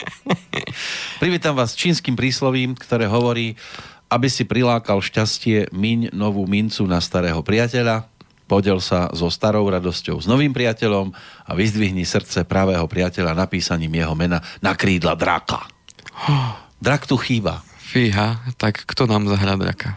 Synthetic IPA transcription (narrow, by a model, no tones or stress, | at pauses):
pɾiʋiːt̪amʋaːst͡ʃiːnskiːmpɾiːslɔʋiːmkt̪ɔɾɛːɦɔʋɔɾiːabisipɾilaːkalʃcascɪɛmiɲnɔʋuːmint͡sunast̪aɾɛːɦɔpɾɪacɛʎa | pɔɟɛlsazɔst̪aɾɔʊɾad̪ɔscɔʊznɔʋiːmpɾɪacɛʎɔma̰ʋizd̪ʋiɦɲisr̩t̪t͡sɛpɾaʋɛːɦɔpɾɪacɛʎanapiːsaɲiːmjɛɦɔmɛnanakɾiːd̪la̰d̪ɾa̰ka̰ | d̪ɾakt̪uxiːba̰fiɦat̪akːt̪ɔnaːmzaɦɾaːd̪ɾa̰kʰa